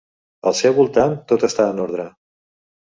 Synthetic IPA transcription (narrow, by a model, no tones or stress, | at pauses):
əlˠsɛwβulˠt̪ant̪ot̪əst̪aənoɾð̞ɾə